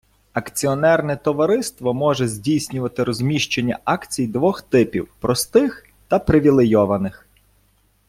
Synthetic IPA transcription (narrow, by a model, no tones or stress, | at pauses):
ɐkt͡sʲiɔnɛrnɛt̪ɔʋɐɾɪst̪ʋɔmɔʒɛzʲdʲijsʲnʲʊʋɐt̪ɪɾɔzʲmʲiʃt͡ʃenʲːɐ̰ɑkt͡sʲijd̪ʋɔxt̪ɪpʲḭwpɾɔst̪ɪx | t̪ɐpɾɪʋʲilˠejɔʋɐnɪx